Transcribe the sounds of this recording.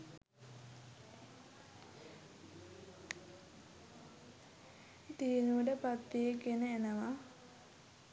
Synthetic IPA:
t̪ienuʋəʈəpat̪ʋijekenəenəʋa

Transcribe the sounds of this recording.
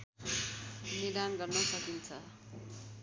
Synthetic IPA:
niɾanɡʌrnʌsʌkint͡sʰʌ

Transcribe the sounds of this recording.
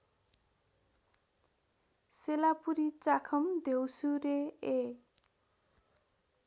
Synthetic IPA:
selapuɾit͡sakʰʌmd̪ʱewsuɾee

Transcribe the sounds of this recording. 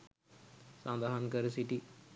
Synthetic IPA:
sɐnd̪aɦɐnkɐɾɨsiʈi

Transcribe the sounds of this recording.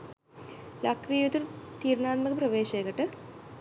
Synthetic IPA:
lɐkʰʋiːjut̪uɾt̪iːɾɳaːt̪mɐkɨpɾɐʋeːɕɐjkɐʈːɨ

